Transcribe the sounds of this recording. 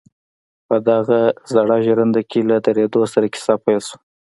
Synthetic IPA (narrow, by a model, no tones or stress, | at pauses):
pəd̪aɣazaɽɑʒɾand̪akʰelad̪aɾed̪osaɾakɪ̥sɑpajlsu̥